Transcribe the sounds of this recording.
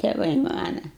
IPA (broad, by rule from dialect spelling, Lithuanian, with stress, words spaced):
tʲɛˈʋɐɪ ˈmɑːnɐ